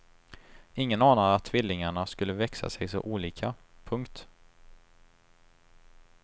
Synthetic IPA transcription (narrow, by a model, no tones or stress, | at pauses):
ɪŋːənɑːnaɾat̪ʰːvɪlːɪŋaɳaskɵlːəvɛksa̰sɛjsɔ̰ʔuːliːkʰapʰɵŋkt̪